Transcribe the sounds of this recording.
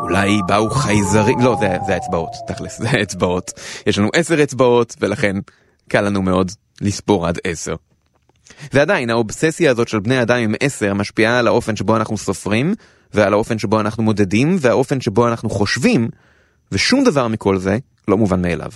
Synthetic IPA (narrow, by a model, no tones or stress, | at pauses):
ulajbauχajzaʁimlo̞zeazeaet͡sbao̞tːaχliszeaet͡sbao̞tjeʃlanuʔese̞ʁet͡sbao̞tve̞laχe̞n | kalanumeo̞d | lispo̞ʁadese̞ʁ | ve̞adajinhaobsesjaːzo̞tʃe̞lbneaːdamemʔese̞ʁmaʃpiaːlaʔo̞fenʃebo̞anaχnuso̞fʁim | vealao̞fe̞nʃe̞bo̞anaχnumo̞d̪e̞dimveaʔo̞fe̞nʃe̞bo̞anaχnuχo̞ʃvim | veʃumd̪avaʁmikʰo̞lze̞ | lo̞muvanmeːlʔa̰v